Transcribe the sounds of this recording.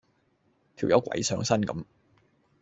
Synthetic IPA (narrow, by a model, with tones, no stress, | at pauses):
t̪ʰi˨˩wjɐ̰˨˥wkʷɐ̰˨˧˥jsœː˨˥ŋsɐ˥nkɐ̰˨˧˦m